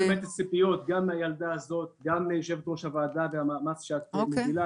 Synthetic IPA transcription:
emet̪at͡sipijo̞t̪ɡamːeajald̪aazo̞t̪̚ɡameʃevet̪ʁoʃhavaːd̪avehamamasʃeat̪̚omevila

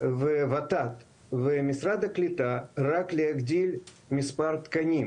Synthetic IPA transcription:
vɨvɐt̪at̪ | vɨmʲɪsɾad̪ɐklʲɪt̪araklʲɪɐɡd̪ʲilʲ | mʲɪspart̪kɐnʲim

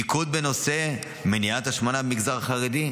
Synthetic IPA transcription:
ikud̪̚beno̞se̞ | meniat̪aʃmanabemiɡzaʁχaʁed̪i

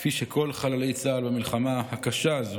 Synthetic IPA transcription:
fiʃekʰo̞lχalale̞jt͡saːlbamilχamahakaʃazo

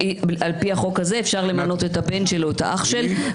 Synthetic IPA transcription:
ialpiaχo̞khaze̞ːfʃaʁle̞mano̞t̪etabe̞nʃe̞loeta̰ʔaχʃe̞l

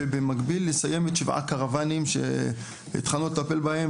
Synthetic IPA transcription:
bemaɡbilːesaje̞met̪ʃivʔa̰kaʁavanimʃḛ | ḭt̪χalnulet̪ape̞lbahem

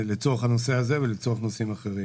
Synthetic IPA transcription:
let͡soaχhano̞se̞azevelet͡soaχno̞simaχeʁi

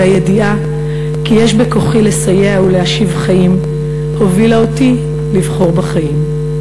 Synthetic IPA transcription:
ajediʔa | kijeʃbekoχile̞sajeauleaʃivχajim | ho̞vilaoti | livχo̞ʁbaχajim

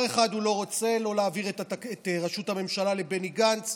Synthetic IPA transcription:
eχad̪ulo̞ʁot͡se̞lo̞leaːviʁetetʁaʃuthame̞mʃalale̞beniɡant͡s

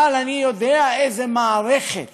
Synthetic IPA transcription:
alanijod̪ɛaejzemaːɾɛχḛt̪

